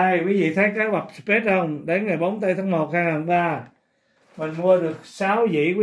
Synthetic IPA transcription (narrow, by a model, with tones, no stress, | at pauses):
ə˧jkwi˨˦vḭ˧˨t̪ʰə˨˦jkaː˨˦ɓa˨˩p̚spe˦˥t̚hə˧wŋ͡mɗe˨˦nŋaː˨˩jɓo˨˦wnt̪̬a˧jt̪ʰaː˨˦ŋmo˨˩t̚haː˧ŋaː˨˩nɓaː˧ | mï˨˩ŋ̟mu˧əɗɨ˨˩ək̚saː˨˦wzḭ˧˥kwi˨˦